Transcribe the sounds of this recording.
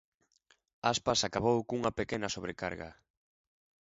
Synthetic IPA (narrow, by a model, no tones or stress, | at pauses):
aspasakaβowkuŋɐpekenɐsoβɾeka̰ɾɣa̰